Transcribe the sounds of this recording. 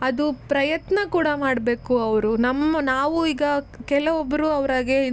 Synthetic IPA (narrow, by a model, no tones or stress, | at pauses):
ɐd̪upɾɐjɐt̪nɐkuːɽɐmaːɽbe̞ːkuɐʋɾunɐmːɐnaːʋuiːɡɐkɛlɐʋɔbːɐɾuɐʋɐɾaːɡei